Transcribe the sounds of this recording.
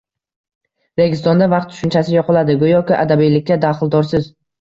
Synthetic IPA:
ɾe̞ɡʲɪst̪ɒnd̪avɑqt̪ːʰʊ̥ʃʊnt͡ʃʰasɪjɒqɨlˠad̪ɪɡʊjɒkʲɪʔad̪abijlɪkʲːad̪aχɨlˠd̪ɒɾsɪz

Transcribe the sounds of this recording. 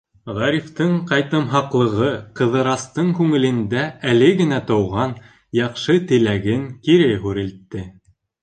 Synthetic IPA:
ʁɑɾift̪ɤɴqɑjt̪ɤ̆mɦɑqlˠɤ̆ʁɤqɤ̆ðɤ̆ɾɑst̪ɤɴkʉŋɘ̆lɘ̆nd̪æælɘɡɘ̆næt̪ɤ̆wʁɑn | jɑqʃɤt̪ɘ̆læɡɘŋkiɾɘjɦʉɾɘ̆lt̪ːɘ

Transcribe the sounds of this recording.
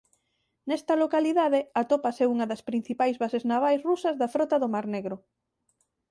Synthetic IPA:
nɛst̪ɐlokaliðaðeɐt̪opasɛuŋɐðɐspɾĩn̟θipajzβaseznaβajsrusɐzðɐfɾɔt̪ɐðʊmaɾneɣɾʊ

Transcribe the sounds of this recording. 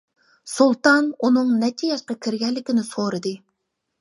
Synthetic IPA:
sulˠt̪ɑnunɨŋnɛt̪ʰijɛʃqɑkʲʰiɾɡʲɛllːɪkʲɪnɪsoɾɨd̪ɨ

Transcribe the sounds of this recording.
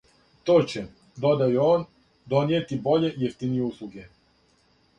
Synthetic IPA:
t̪oːt͡ɕe | d̪o̞d̪ajuoːn | d̪o̞njet̪ibo̞ʎe̞jeft̪inijeuslˠuɡe

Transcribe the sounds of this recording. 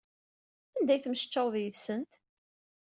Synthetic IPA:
ænd̪æjθməʃt͡ʃːɑwðjəðsənt̪

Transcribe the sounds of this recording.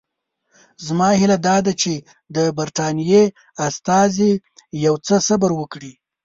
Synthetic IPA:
zmɑhɪlad̪ɑd̪at͡ʃe | d̪əbaɾt̪ɑnije | ast̪ɑze | jawt͡səsabaɾwəkɽi

